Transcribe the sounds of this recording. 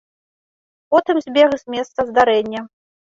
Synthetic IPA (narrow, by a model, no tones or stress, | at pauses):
pɔt̪ɨmzʲbʲɛɣzʲmʲɛst̪sɐzd̪aɾɛnʲːɐ